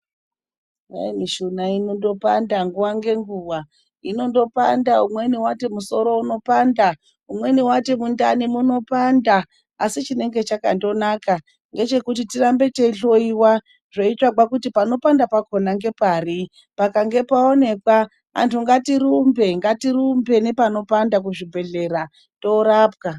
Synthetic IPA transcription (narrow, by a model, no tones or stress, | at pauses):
a̰imiʃunainondo̞pandaŋɡuwaŋɡe̞ŋɡuwa | ino̞ndo̞pandaumwe̞niwate̞muso̞ɾo̞uno̞panda | umwe̞niwatemundanimuno̞pandaː | sit͡ʃine̞ŋɡe̞t͡ʃakando̞naka | ŋɡe̞t͡ʃe̞kutitirambe̞te̞ɬo̞iwa | ʐ̥oit͡ʂwaɡwakutipano̞pandapako̞naŋɡe̞pari | pakaŋɡe̞pao̞ne̞kwa | a̰ntuŋɡatiɾumbe̞ŋɡatiɾumbe̞ne̞pano̞pandak̬uʐibʱe̞ɮe̞ɾa | do̞ɾaːp̚ka